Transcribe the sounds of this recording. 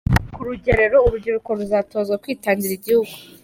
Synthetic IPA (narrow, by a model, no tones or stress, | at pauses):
kuɾuɟeɾe̞ɾo̞uɾuɾɟiɾuko̞ɾuzaːto̞ːzɡakwiːtaːɲɟiɾiɟihuɡu